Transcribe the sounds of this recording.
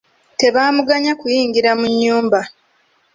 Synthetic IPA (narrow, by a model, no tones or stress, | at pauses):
te̞βaːmuɡaɲakujiːŋɡiɾamuɲːuːmba